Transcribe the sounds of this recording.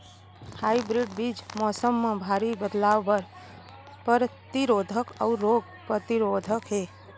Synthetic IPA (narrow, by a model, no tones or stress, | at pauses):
haibɾiɖbid͡ʒmɔsəmːebʱaɾibəd̪laʋːəɾ | pəɾt̪iɾod̪ʱəka̰uɾoɡ | pɾət̪iɾod̪ʱəkɦe